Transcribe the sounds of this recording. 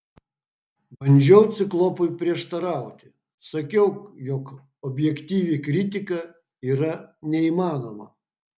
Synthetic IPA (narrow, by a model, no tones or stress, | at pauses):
bɐnʲd͡ʒʲɛʊt̪sʲɪklˠɔpʊjpʲɾʲiɛʃt̪ɐɾɑˑʊt̪ʲɪ̥ | sɐkʲɛʊjɔk | ɔbʲjɛkt̪ʲiːʋʲikɾʲit̪ʲɪkɐ | iːɾɐnʲɛimɑːnomɐ